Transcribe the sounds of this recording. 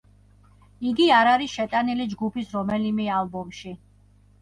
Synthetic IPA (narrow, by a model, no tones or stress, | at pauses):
iɡiaɾaɾisʃɛt̪ʼanilid͡ʒɡupʰisɾɔmɛlimɛalˠbɔmʃi